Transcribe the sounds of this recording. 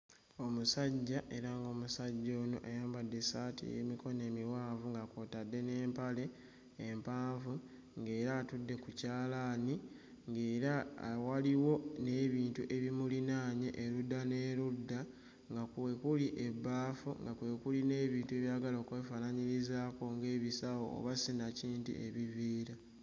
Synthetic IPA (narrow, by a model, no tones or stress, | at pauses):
o̞musaɟːaʔe̞ɾaŋɡo̞ːmusaɟːoːno̰ʔejaːmbadːe̞saːtḭjḛmiko̞ne̞ːmiwaːvuŋɡakoːtadːe̞ne̞ːmpale̞ː | mpaːɱvu | ŋɡe̞ːɾaːtudːe̞kucaːlaːni | ŋɡeːɾawaliwo̞ne̞ːβiːntuʔe̞βimulinaːɲeʔeludːane̞ːɾudːa | ŋɡakekuliʔebːaːfṵŋɡakwe̞kuline̞ːβiːntue̞βjaːɡalo̞ːkweːfaːnaɲiɾizaːko̞ŋɡe̞ːβisawo̞̰ːβasinaciːntḭʔe̞βiviːɾa